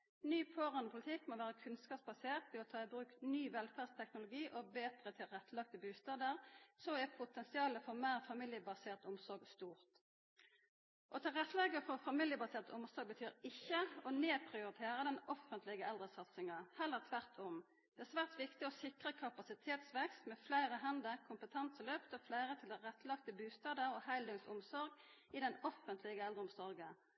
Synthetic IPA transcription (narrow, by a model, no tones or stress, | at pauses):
nyːpʰoːʁɑnəpʰʊlɪt̪ʰɪkːmɔʋæːʁəkʰʉnskɑːpsbɑseːʁt̪ʋɛɔt̪ʰɑːɪbʁʉːknyːʋɛlfæːdst̪ʰɛknʊlʊɡiːʔɔbeːt̪ʁət̪ʰɪlʁɛt̪ːəlɑk̚t̪əbʉːst̪ɑːd̪əʁsɔɛpʰʊt̪ɛnsɪɑːləfɔʁmæːʁfɑmɪljəbɑseːʁt̪ʊmsɔɾɡst̪uːʁt̪ | ʔɔt̪ʰɑʁɛt̪ːəlɛɡəfɔʁfɑmɪljəbɑseːʁt̪əʊmsɔɾɡ̚bət̪ʰyːʁɪçːəɔneːpʰʁɪʊɾɪt̪ʰeːʁəd̪ɛnɔfənt̪lɪɡəʔɛld̪ʁəsɑt̪sɪŋɑhɛlːəʁt̪ʰʋæʁt̪ʰɔm | d̪̥ɛæsʋæːʁt̪ʋɪkt̪ɪɔsɪkʁəkʰɑpɑsɪt̪ʰeːt̪sʋɛkst̪mɛflæɪʁəɦɛnd̪əkʰʊmpət̪ʰɛnsəløːpt̪ɔflæɪʁət̪ʰɪld̪ɛʁɛt̪ːlɑkt̪əbʉːst̪ɑːd̪əɾɔhæɪld̪ʉŋsʊmsɔʁɡɪd̪ɛnɔfənt̪ʰlɪɡəɛld̪ʁəʊmsɔʁɡə